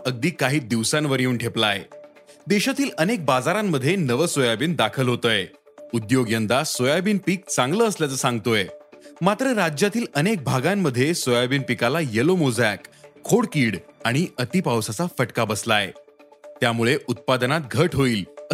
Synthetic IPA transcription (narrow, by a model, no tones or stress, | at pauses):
əɡ̚d̪iːkaɦiːd̪iʋsanʋəɾiuːnʈʰeplae | d̪eɕat̪iːlənek̚bad͡zaɾamːəd̪ʱːjenəʋəsojabiːnd̪akʰəlɦot̪əːje | ud̪joɡjənd̪asojabiːnpiːk̚t͡sãŋɡləːsljat͡səsãŋɡt̪ojemat̪ɾəɾad͡ʑjat̪iːlənek̚bʱaɡamːəd̪ʱːjesojabiːnpikalajelomod͡zjakʰːoɽkiːɽaɽ̃iət̪iːpawsat͡safəʈkabəslaḛt̪jamuɭeʔut̪̚pad̪nat̪̚ɡʱəʈɦoiːl